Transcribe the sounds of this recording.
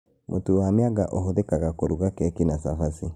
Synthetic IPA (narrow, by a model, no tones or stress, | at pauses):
mʔotuwamjaɣaʔoɦoðekaɣakoɾuɣakɛkinasafasi